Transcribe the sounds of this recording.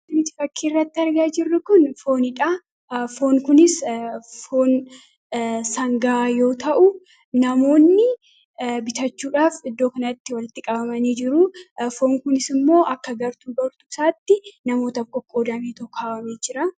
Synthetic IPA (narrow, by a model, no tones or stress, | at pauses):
mɪt̪ɪ̥fɐkʰːiːrːɐt̪ːɪɐɾɡaːd͡ʒɪrːʊkʊnfo̞ːnɪᶑa | fo̞ːŋkʊnɪsfoːn | sɐŋɡaːjo̞ːt̪ɐʔʊ | nɐmo̞ːnːɪ | bɪt̪ɐt͡ʃːuːᶑaːfɪd̪ːo̞ːkɐnɐt̪ːɪwɐlɪt̪ːɪkʼɐbɐmɐniːd͡ʒɪɾufo̞ːŋkʊnɪsɪmːo̞ːʔɐkːɐɡɐɾt̪uːbɐɾt̪uːsaːt̪ːɪnɐmoːt̪ɐfkʼɔkʼːo̞ːd̪ɐmeːt̪ɔkʰːaːwɐmeːd͡ʒɪɾɐ